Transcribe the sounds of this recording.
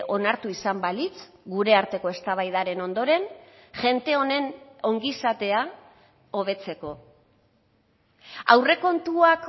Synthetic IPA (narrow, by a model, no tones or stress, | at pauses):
o̞naɾt̪uisambalit͡s | ɡuɾe̞aɾt̪e̞ko̞e̞st̪aβajðaɾe̞no̞nd̪o̞ɾe̞nʝe̞nt̪e̞o̞ne̞no̞ŋɡisat̪e̞a | o̞β̞e̞t͡se̞ko̞ | a̰wre̞ko̞nt̪uak